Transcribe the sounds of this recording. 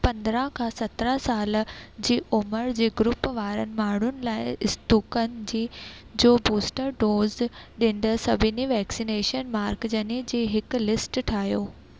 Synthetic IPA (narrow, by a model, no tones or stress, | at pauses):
pɐ̃nd̪ɾə̃ɦkʰãːsɐt̪ɾəsaːld͡ʑiːʊməɾd͡ʑeːɡɾʊpʋaːɾənɪ̆maːɳ̤ʊnɪ̆laːɪɪst̪uːkən̆d͡ʑiː | d͡ʑoːbuːsʈəɾɖoːzɗɪ̃n̆d̪əsɐbʱɪniʋɛːksineːʃənmaːɾkd͡ʑɐned͡ʑeːɦɪklɪsʈʈʰaːɦjoː